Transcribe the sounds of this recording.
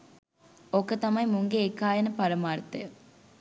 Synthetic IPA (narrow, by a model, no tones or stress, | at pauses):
okət̪ɐmɐjmuŋɡeːkːaːjɐnəpɐɾɐmaːɾɐt̪ɐjə